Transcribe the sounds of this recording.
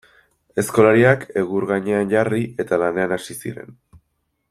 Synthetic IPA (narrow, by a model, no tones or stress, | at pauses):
e̞sko̞laɾiake̞ɣuɾɣaɲe̞anʝariʔe̞t̪alane̞anasisḭɾe̞̰n